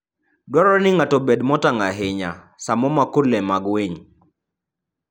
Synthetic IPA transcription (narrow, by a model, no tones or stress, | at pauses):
dwɔɾɔnɪŋatɔbedmɔtaŋɡaɦɪɲa̰ | samɔmakolɛmaɡweɲ